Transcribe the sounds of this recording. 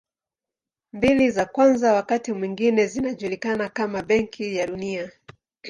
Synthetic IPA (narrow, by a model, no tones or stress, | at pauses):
mbilizakwanzawakatimwiŋɡinɛzinaʄulikanakamaɓɛŋkʰijaɗunia